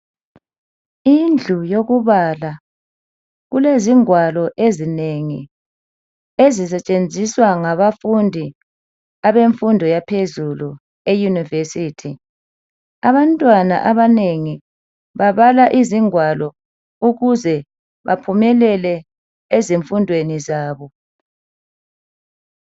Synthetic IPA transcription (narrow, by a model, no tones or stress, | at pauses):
ind͡ɮʱujoɣuβala | ɣuleziŋwalɔʔezineŋḭ | ezis̬ɛt͡ʃʼend͡zʱiswaŋaβafundʱi | aβeɱfundʱɔjapʰezulu | ejunivesiːtʰi | aβantʼwana̰ʔaβaneŋi | βaβalaʔiziŋwalɔ | uɣuzɛ | βa̰pʰumɛlɛlɛ | eziɱfundʱwenizaːβɔ